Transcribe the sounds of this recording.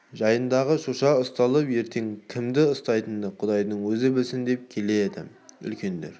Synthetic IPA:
ʒɑjənd̪ɑʁəʃoʃɑʊst̪ɑlˠəpje̞ɾt̪ʰe̞ŋkʲʰɪmd̪ɪʊst̪ɑjt̪ənd̪əqʰʊd̪ɑjd̪əɴwɵzɪbɪlsɪnd̪e̞p̚kʲʰe̞led̪ɪ̰ | ʏ̰lkʲʰe̞nd̪ḛɾ

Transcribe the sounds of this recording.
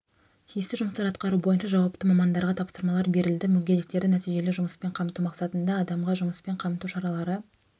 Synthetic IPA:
t̪ʰijɪst̪ɪʒʊməst̪ɑɾɑt̪qɑɾubo̞jənʃɑʒɑwɑpt̪əmɑmɑnd̪ɑɾʁɑt̪ʰɑpsəɾmɑlˠɑɾbe̞ɾɪld̪ɪmʏlɡʲe̞d̪ɪk̚t̪e̞ɾd̪ɪnæt̪ijʒe̞lɪʒʊməspe̞ɴqʰɑmt̪umɑqsɑt̪ənd̪ɑːd̪ɑmʁɑʒʊməspe̞ɴqʰɑmt̪uʃɑɾɑlˠɑɾə

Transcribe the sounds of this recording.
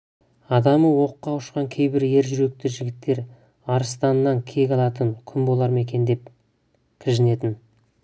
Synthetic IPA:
ɑd̪ɑməwo̞qːɑʊʃqɑŋkʲʰe̞jbɪɾje̞ɾʒʏɾe̞k̚t̪ɪʒɪɡʲɪt̪ːe̞ɾ | ɑɾəst̪ɑnːɑŋkʲʰe̞ɡʲɑlˠɑt̪əŋkʲʰʏmbo̞lˠɑɾme̞kʲe̞nd̪e̞p | kʲʰɪʒɪne̞t̪ɪn

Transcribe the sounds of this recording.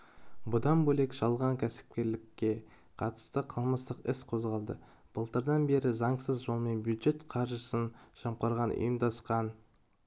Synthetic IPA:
bʊd̪ɑnbɵle̞kʒ̥ɑlˠʁɑŋkʲʰæsɪ̥p̚kʲe̞ɾlɪkʲːe̞ | qʰɑt̪ə̥st̪əqʰəlˠməst̪əqɪsqʰo̞zʁɑlˠd̪ə̰ | b̥əlˠt̪əɾd̪ɑnbe̞ɾɪzɑɴsəzʒo̞lˠme̞nbjud̪ʒe̞t̪qʰɑɾʒəsənʃɑmqɑɾʁɑnʔʊ̰jəmd̪ɑsqɑn

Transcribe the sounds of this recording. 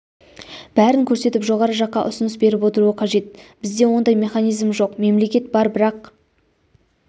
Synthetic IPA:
b̥æɾɪŋkʲʰɵɾse̞t̪ɪpʒo̞ʁɑɾəʒɑqːɑ̰ʔʊ̰sʊnəsbe̞ɾɪpwo̞t̪əɾuəqʰɑʒe̞t̪̚b̥ɪzd̪e̞wo̞nd̪ɑjme̞χɑnijzmʒo̞qme̞mle̞kʲe̞t̪̚bɑɾbɪɾɑq

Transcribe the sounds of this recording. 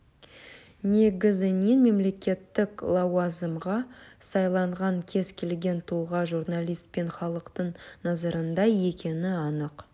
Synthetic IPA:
ne̞ɡʲɪzɪninme̞mle̞kʲe̞t̪ːɪklˠɑwazəmʁɑsɑjlˠɑɴʁɑŋkʲʰe̞zkʲʰe̞lɡʲe̞nt̪ʰulˠʁɑʒurnalʲˠijst̪̚pe̞nχɑlˠəqt̪əɴnɑzɑɾənd̪ɑe̞kʲʰe̞nɪɑnəq

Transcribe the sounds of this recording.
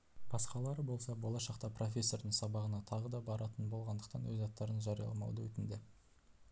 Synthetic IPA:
b̥ɑsqɑlˠɑɾəbo̞lˠsɑbo̞lˠɑʃɑqt̪ɑpro̞fʲe̞sːo̞rd̪əŋsɑbɑʁənɑt̪ʰɑʁəd̪ɑbɑɾɑt̪ənbo̞lˠʁɑnd̪ə̥qt̪ɑnwɵzɑt̪ːɑɾənʒɑɾijɑ̰lˠɑmɑ̰wd̪əwɵt̪ɪnd̪e

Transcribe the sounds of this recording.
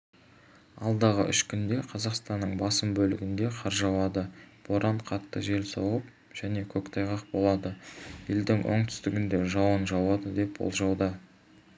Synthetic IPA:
ɑ̰lˠd̪ɑʁə̰ʔʏʃkʲʰʏnd̪e̞qʰɑzɑqst̪ɑnːəɴbɑsəmbɵlɪɡʲɪnd̪e̞qʰɑɾʒɑwɑd̪əb̥o̞ɾʔɑɴqʰɑt̪ːəʒe̞lsɑwəp̚ | ʒ̥æne̞kʲʰɵkt̪ʰɑjʁɑqbo̞lˠɑd̪əje̞ld̪ɪŋwʔo̰ɴt̪ʰʏ̥st̪ɪɡʲɪnd̪e̞ʒɑwənʒɑwɑd̪əd̪e̞pwo̰lˠʒɑwd̪ə

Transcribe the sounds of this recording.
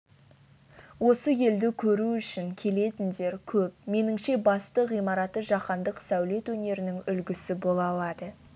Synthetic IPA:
wo̞səje̞ld̪ɪkʲʰɵɾuʏʃɪŋkʲʰe̞le̞t̪ɪnd̪e̞ɾkʲʰɵp̚me̞nɪŋʃe̞bɑst̪əʁijmɑɾɑt̪ːəʒɑqɑnd̪əqsæwle̞t̪wɵne̞ɾɪnɪŋʏlɡʲɪsɪbo̞lˠɑlˠɑd̪ə

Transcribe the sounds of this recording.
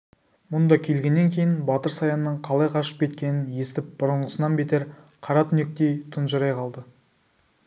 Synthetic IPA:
mʊnd̪ɑkʲʰe̞lɡʲe̞nːe̞ŋkʲʰe̞jɪnbɑt̪əɾsɑjɑnːəɴqʰɑlˠɑjqʰɑʃə̥p̚kʲʰe̞t̪kʲe̞nɪnje̞st̪ɪp̚b̥ʊɾəɴʁəsənɑnbet̪eɾ | qʰɑɾɑt̪ʰʏne̞k̚t̪e̞jt̪ʰʊnʒəɾɑjqʰɑlˠd̪ə

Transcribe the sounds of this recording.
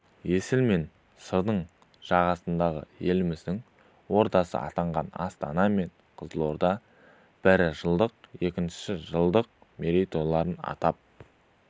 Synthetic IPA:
je̞sɪlme̞n | səɾd̪əɴ | ʒ̥ɑʁɑsənd̪ɑʁə̰je̞lɪmɪzd̪ɪŋ | wo̞ɾt̪ɑsə̰ʔɑ̰t̪ɑɴʁɑnɑ̰st̪ɑnɑme̞ɴ | qʰəzlˠoɾd̪ɑ | b̥ɪɾɪʒəlˠd̪əq̚je̞kʲɪnʃɪ̥sɪʒəlˠd̪əq̚ | meɾejt̪olˠɑɾənɑ̰t̪ɑp̚

